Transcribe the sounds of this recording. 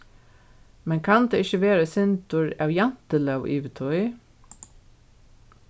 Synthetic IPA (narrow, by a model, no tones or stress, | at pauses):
mɛnkʰɑnd̪eːɪçəʋeːɾəsɪnt̪ʊɹæwjɑn̥t̪əlœwʔiːʋɪt̪ʰɔɪ